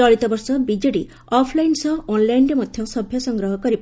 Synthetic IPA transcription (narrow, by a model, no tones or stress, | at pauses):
ɔɭit̪ɔbɔɾsɔbid͡ʒɔɽi | ɔpʰlajnsɔɔnlajnɖemɔd̪ʱjɔsɔbʱjɔsɔŋɡɾɔɦɔkɔɾip